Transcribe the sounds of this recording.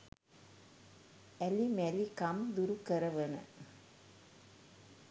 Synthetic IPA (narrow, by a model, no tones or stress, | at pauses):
ɛlimɛlikɐmd̪uɾukɐɾɐʋɐnɐ̰